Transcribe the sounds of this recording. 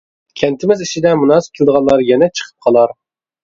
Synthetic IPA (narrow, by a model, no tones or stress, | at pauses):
kʲʰɛnt̪ʰɪmɪzit͡ʃʰid̪ɛmunɑs̚kʲelˠd̪əʁɑnlˠɑɾjɛnɛt͡ʃʰə̥qʰə̥p̚qʰɑlˠɑɾ